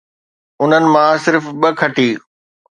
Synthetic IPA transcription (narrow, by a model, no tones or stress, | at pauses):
ʊn̤ənɪ̆mãsɪɾfɓəkʰɐʈiː